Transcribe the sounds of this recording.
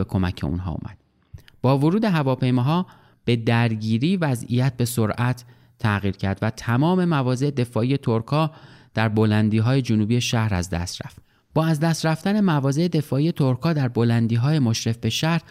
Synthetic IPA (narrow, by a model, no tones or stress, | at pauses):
ekʰo̞mæcʰḛṵnɦɒ̰ːṵmæ̰d̪̥ | b̥ɒːvoɾuːd̪e̞ɦævɒːpʰe̞jmɒːɦɒː | b̥e̞d̪æɾɟiːɾiːvæzḭjæt̪̚be̞soɾʔæt̪ʰː | æɣiːɾcʰæɾd̪væt̪ʰæmɒːme̞mævɒːze̞ed̪e̞fɒːiːje̞t̪ʰoɾkʰɒːd̪̥æɾbolænd̪iːɦɒːje̞d͡ʒonuːbiːje̞ʃæhɾæ̰zd̪æ̰st̪ɾæ̰ft̪ | b̥ɒːæzd̪æst̪ɾæft̪æne̞mævɒːze̞ed̪e̞fɒːʔiːje̞t̪ʰoɾkʰɒːd̪æɾbo̞lænd̪iːɦɒːje̞moʃɾe̞fbe̞ʃæhɾ